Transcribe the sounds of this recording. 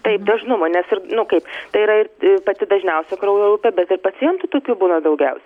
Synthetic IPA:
t̪ɐɪpd̪ɐʒnʊmonʲɛsɪɾnʊkɐɪpt̪ɐɪiɾɐɪrpɐt̪ʲɪd̪ɐʒʲnʲɛʊsʲɛkɾɐʊjolʊpʲɛbʲɛt̪ɪrpɐt͡sʲɪjɛnt̪ʊt̪oːkʲuːbuːnɐd̪ɐʊɡʲɛʊsʲɛ

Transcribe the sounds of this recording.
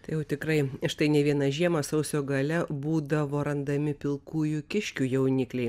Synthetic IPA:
t̪ɐɪjɛʊt̪ʲɪkɾɐɪɪʃt̪ɐɪnʲɛʋʲiɛnɐʒʲiɛmɐsɐʊsʲoːɡɐlʲɛbuːd̪ɐʋoːɾɐnd̪ɐmʲɪpʲɪlˠkuːjukʲɪʃʲkʲuːjɛʊnʲɪklʲɛɪ

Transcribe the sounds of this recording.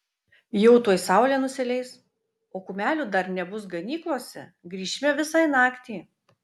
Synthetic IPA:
jɛʊt̪uɔjsɑˑʊlʲeːnʊsʲɪlʲɛɪs | oːkʊmʲæːlʲud̪ɐɾnʲɛbʊs̬ɡɐnʲiːklˠoɔsʲɛɡɾʲiːʃʲmʲɛʋʲɪsɐɪnɑːkt̪ʲeː

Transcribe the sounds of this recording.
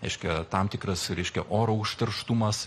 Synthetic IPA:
ɾʲɛɪʃʲkʲɛt̪ɑmt̪ʲɪkɾɐsɾʲɛɪʃʲkʲɛʔoːɾoʊʃʲt̪ɐrʃt̪umɐs

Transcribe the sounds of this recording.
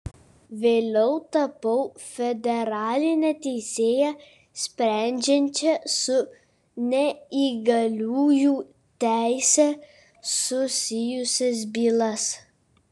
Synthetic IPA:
ʋʲeːlʲɛʊt̪ɐpɐʊfʲɛd̪ʲɛɾɑːlʲɪnʲɛt̪ʲɛɪsʲeːjɛ | sʲpʲɾʲæˑnʲd͡ʒʲɛnʲt͡ʃʲɛsʊ | nʲɛiːɡɐlʲuːjuː | t̪ʲæˑɪsʲɛ | sʊsʲɪjʊsʲɛs̬bʲiːlˠɐs

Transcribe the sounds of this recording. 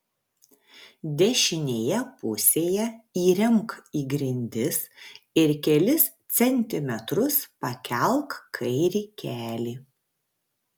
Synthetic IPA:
d̪ʲɛʃʲɪnʲeːjɛpʊsʲeːjɛiːɾʲɛmkiːɡɾʲɪnʲd̪ʲɪs | ɪɾkʲɛlʲɪst̪sʲɛnʲt̪ʲɪmʲɛt̪ɾʊspɐkʲɛlˠkkʰɐɪɾʲiːkʲæːlʲiː

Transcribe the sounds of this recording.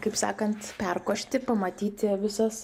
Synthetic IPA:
kɐɪpsɑ̰ːkɐnt̪pʲɛrkoːʃʲt̪ʲɪpɐmɐt̪ʲiːt̪ʲɪʋʲɪsɐs

